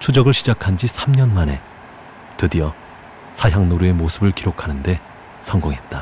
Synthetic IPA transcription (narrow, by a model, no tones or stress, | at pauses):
t͡ɕʰud͡ʑʌɡɯɭɕʰid͡ʑakʰand͡ʑisʰamɲʌnmane̞ | tɯdiʌ | sʰaɦjaŋnoɾue̞mosʰɯbɯɭkiɾokʰanɯnde̞ | sʰʌŋɡoŋɦe̞t̚t͈a